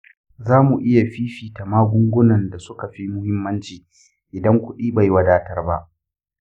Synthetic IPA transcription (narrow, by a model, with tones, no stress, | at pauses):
zaː˦mu˨ʔɪ˦ja˨ɸiː˦ɸiː˨ta˨maː˦ɡʷʊ˦ŋɡʷʊ˦nɐ˨nda˨sʊ˦ka˨ɸi˦mʊ˦hɪ˦mːɐ˦nt͡ʃiː˨ | ʔɪ˨dɐ˦ŋkʷʊ˦ɗiː˦ba˨jwɐ˨daː˦tɐ˦rba˦ʔ